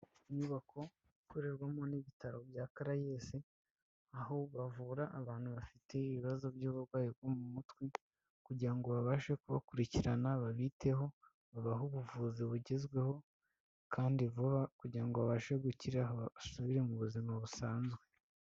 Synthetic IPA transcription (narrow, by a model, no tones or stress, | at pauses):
iɲuβakʰo̞ | ikoɾeɾɡwamoniβitaɾo̞bjaːkaɾajese | aho̞βavuɾaʔːβaːn̥huβafitʰe̞iβiβazo̞bɟuːβuɾɡwaːjob̚ɡomumutwi | kuɟiɾaŋɡo̞βaβaʃe̞kuβa̰kuɾiciɾanaβaβiːte̞ɦo̞ | βaβaɦoβuvuziβuɟe̞zɡwe̞ho̞ | kʰaːndiβakuɟiɾaŋɡo̞βaβaʃe̞ɡuciɾaɦasuβiɾe̞muβuzimaβusaːnzɡwe̞